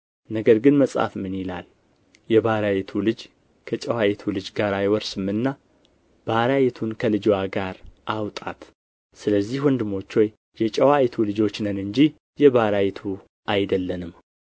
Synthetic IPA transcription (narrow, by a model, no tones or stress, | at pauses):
nəɡəɾɡɨnməsʼa̰fmɨnjila̰l | jɛbaɾajit̪ʰulɨd͡ʒ | kʰət͡ʃʼəwajit̪ʰulɨd͡ʒɡaɾajwɔɾsɨmɨnːa | b̥aɾajit̪ʰunkʰəlɨd͡ʒwaɡaɾʔawt̪ʼa̰t̪ | sɨləzːihwɔnd̪ɨmo̞t͡ʃːho̞j | jɛt͡ʃʼəwajt̪ʰulɨd͡ʒo̞t͡ʃːnənɨɲd͡ʒi | jɛβaɾajit̪ʰu | ʔajd̪əlːənɨm